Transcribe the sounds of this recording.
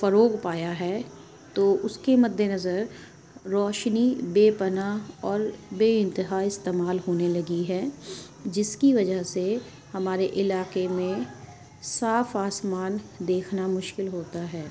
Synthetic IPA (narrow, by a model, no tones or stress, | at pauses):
fɐɾoːɡpaːjaɦɛː | t̪oːʊskemɐd̪ʱːenɐzəɾ | ɾɔːʃnibeːpɐnaɔːɾbeːɪ̃nt̪ɪɦaːɪst̪eːmaːlɦoːnelɐɡiɦɛː | d͡ʒɪskiʋɐd͡ʒəɦse | hɐmaːɾeʔɪlaːqemẽ | saːfaːsmaːnd̪eːkʰnamʊʃkɪlɦoːt̪aɦɛː